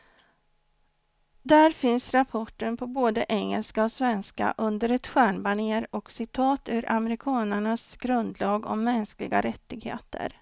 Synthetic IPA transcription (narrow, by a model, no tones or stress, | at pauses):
d̪æɾfɪnsɾapʰɔʈːənpʰɔboːd̪əʔɛŋːəlskaɔsvɛnska̰ʔɵnd̪əɾɛt̪ɧæːɳbaɳeːɾɔksɪt̪ʰɑːt̪ʉ̟ːɾʔamɛɾɪkʰɑːnəɳasɡɾɵnd̪lɑːɡɔ̰mːɛnsklɪ̰ɡa̰ɾɛt̪ːɪɡhḛːt̪ʰə̰ɾ